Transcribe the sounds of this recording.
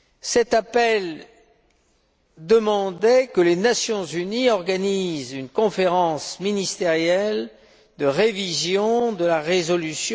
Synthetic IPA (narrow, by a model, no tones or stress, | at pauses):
sɛt̪apɛl | d̪əmɑ̃d̪ɛkəlenasjɔ̃zyniɔʁɡanizynkɔ̃feʁɑ̃sminist̪eʁjɛl | d̪əʁevizjɔ̃d̪əlaʁezɔlysj